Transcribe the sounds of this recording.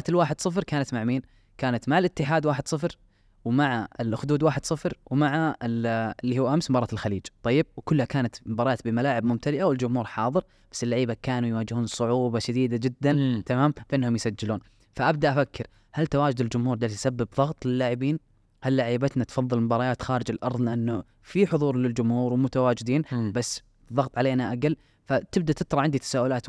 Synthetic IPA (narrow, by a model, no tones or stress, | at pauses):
ʔat̪ɪlwaːħɪd̪sˤɨfɾkaːnat̪maʕmiːn | kaːnat̪maʕalʔɪt̪ːɪħaːd̪waːħɪd̪̥sˤɨfɾ | wmaʕaɪlʔxʊd̪uːd̪waːħɪd̪̥sˤɨfɾwmaʕaɪlɪlːiːhʊːʔamsmbɑɾˤɑːt̪ɪlxaliːd͡ʒt̪ˤɑjːɪb̚wkʊlːhakaːnat̪bɑɾˤɑɑːt̪bɪmalaːʕɪbmʊmt̪ʰalɪʔawɪld͡ʒʊmhuːɾħɑːðˤɨɾ | b̥asːɪlːaʕiːbakaːnujwaːd͡ʒɪhuːnsˤʊʕuːbɑʃad̪iːd̪ad͡ʒɪd̪ːant̪amaːmfʔɪnːhʊmjɪsad͡ʒːɪluːn | faʔabd̪aʔafakʰːɪɾ | halt̪awaːd͡ʒʊd̪ɪld͡ʒʊmhuːɾd̪aːlt̪sabːɪbðˤɑɣt̪ˤlɪlːaːʕɪbiːn | halːaːʕiːbat̪nat̪fɑðˤːɨlmʊbɑːɾˤɑjaːt̪xaːɾɪd͡ʒɪlʔɑ̰ɾˤðˤnaʔɪnːʊ | fiħʊðˤuːɾlɪld͡ʒʊmhuːɾwmʊt̪awaːd͡ʒɪd̪iːnbasː | ðˤːɑɣt̪ˤʕaleːnaʔaɡalː | fat̪ɪbd̪at̪ɪt̪ɾˤɑʔʕɪnd̪it̪ḁsaːʔʊlaːt̪